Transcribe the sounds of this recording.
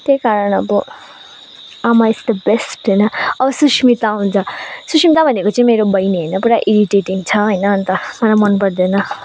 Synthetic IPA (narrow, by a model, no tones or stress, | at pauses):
t̪jejkaɾʌɳ̃ʌ̰bʌ | amaesd̪əbesʈɦʌjnʌʌbʌsusmit̪aɦũnt͡sʰʌsusmit̪abʱʌnekot͡saĩmeɾobʌjneɦʌjnʌpuɽaʔiɾiʈeʈiŋt͡sʰʌɦʌjnʌːnt̪ʌmʌlamʌnpʌɽd̪enʌ